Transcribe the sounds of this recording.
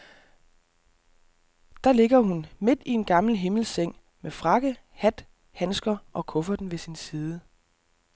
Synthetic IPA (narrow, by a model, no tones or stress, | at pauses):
d̥ɑ̈le̝ɡ̥ɐɦunme̝d̥ie̝nɡ̥ɑ̈ml̩ɦe̝ml̩seŋ̰ | mefʁɑ̈ɡ̥ə | hæd̥ | hænsɡ̥ɐʔɒ̽kʰɔ̽fɐd̥n̩ʋe̝sinsiːð̞ˠə